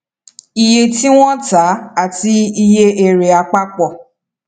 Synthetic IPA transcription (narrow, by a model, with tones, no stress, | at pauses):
i˧je˧ti˦w̃ɔ̃˦ta˨˦a˦˨ti˧i˧je˦e˧ɾe˨a˧k͡pa˦k͡pɔ˨